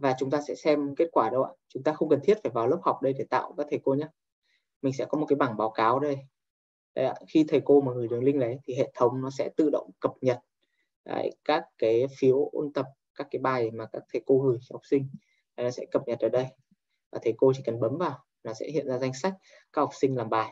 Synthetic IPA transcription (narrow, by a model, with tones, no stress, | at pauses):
vaː˨˩t͡ɕʊ˨˦ŋ͡mt̪aː˧sɛ̰˧˥sɛ˧mke˦˥t̚kwaː˧˩ɗə˧wʔa̰ː˧˨t͡ɕʊ˨˦ŋ͡mt̪aː˧xə˧wŋ͡mkə˨˩nt̪ʰi˦˥ət̚faː˧˩jvaː˨˩wlə˦˥p̚ha˨˩wk͡p̚ɗə˧jɗe˧˩t̪a̰ː˧˨wkaː˦˥k̚t̪ʰə˨˩ko˧ɲə˦˥t̚ | mï̟˨˩s̬ɛ̰˧˥kɔ˨˦mo˨˩ka˨˦jɓa˧˩ŋɓaː˨˦wkaː˨˦wɗə˧j | ɗə˨˦ja̰ː˧˩˨xi˧t̪ʰə˨˩jko˧maː˨˩ŋɨ˨˩ə˩jɗɨ˨əŋlï˧ŋɗə˨˦jt̪ʰi˨˩ɦḛ˧˨t̪ʰə˨˦wŋ͡mnɔ˨˦sɛ̰˧˥t̪ɨ̰˧˨ɗə̰˧˨wŋ͡mkə˨˩p̚ɲə˨˩t̚ | a̰ː˧˩jkaː˦˥kːaː˨˦jfi˨˦ə˦wʔo̰˧nt̪ə˨˩p̚kaː˦˥kːaː˨˦jɓaː˨˩jmaː˨˩kaː˦˥k̚t̪ʰə˨˩jko˧ŋɨ˨˩əjha˨˩k͡p̚sï˧ŋ̟ | laː˨˩nɔ˨˦sɛ̰˧˥kə˨˩p̚ɲə˨˩t̚əː˧˩ɗə˧j | vaː˨˩t̪ʰə˨˩jko˧t͡ɕi˧˩kə˨˩nɓə˨˦mvaː˨˩w | nɔ˨˦sɛ̰˧˥hḭ˧˨ənzaː˧za˧jŋ̟sa˦˥k̟̚ | ka˦˥k̚hɔ˨˩k͡p̚si˧ŋ̟laː˨˩mɓaː˨˩j